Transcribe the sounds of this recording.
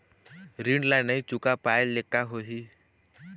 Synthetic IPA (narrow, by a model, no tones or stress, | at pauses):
ɾĩɳɖlanəĩt͡ʃʊkapaːellekːaɦoɦi